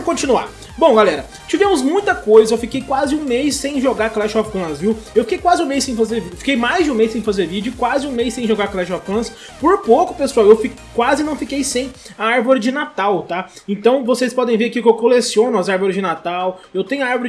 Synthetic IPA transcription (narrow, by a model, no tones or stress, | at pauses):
kõt͡ʃĩnua̰ | bõw̃ɡalɛɾɐ | t͡ʃivẽmʊzmũj̃t̪ɐkojzɐewfikejkwazɪũmejsːẽj̃ʒoɡaɾklɛʃɔppɐ̃sviwewfi̥kejkwazɪũmejsːẽj̃fazeɾvifi̥kejmajzd͡ʒɪũmejsːẽj̃fazeɾvid͡ʒʊkwazɪũmejsːẽj̃ʒoɡaɾklɛʃɔfkɐ̃s | poɾpowkʊ̥pesuawewfikkːwazɪnɐ̃w̃fikejsẽj̃ | ɐaɾvoɾɪd͡ʒɪnat̪awt̪a | ẽnt̪ɐ̃w̃vosespɔd̪ẽj̃veɾʊkiʊkewkolesiõnʊɐzaɾvoɾɪzd͡ʒɪnat̪awewt̪ẽjɲʊɐaɾvoɾɪ